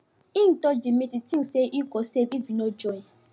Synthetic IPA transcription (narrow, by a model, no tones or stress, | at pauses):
ĩn̩tɔdimititĩseʔikɔsevifinɔd͡ʒɔĩ